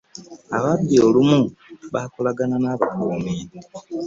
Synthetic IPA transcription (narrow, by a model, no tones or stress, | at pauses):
aβaβioːlumuβakolaɡananaːβakoːmiːni